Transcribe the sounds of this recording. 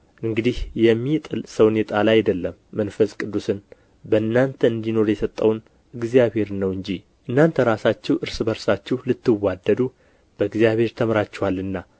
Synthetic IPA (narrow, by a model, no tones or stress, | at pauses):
ʔɨŋɡɨd̪ihjɛmːit̪ʼɨlsəwnet̪ʼalajd̪əlːəmːənfəskʼɨd̪ːusɨn | bəɨnːant̪ʰəɨnd̪ino̞ɾjɛsət̪ʼːəwn | ɨɡzijaβhe̞ɾnəwɨɲd͡ʒi | ʔɨnːant̪ʰəɾasat͡ʃːɛwʔɨɾsɨbəɾsat͡ʃːɛwlɨt̪ːɨwːad̪ːəd̪u | b̥əɨɡzijaβhe̞ɾt̪ʰəmɾat͡ʃːɛwalːɨnːa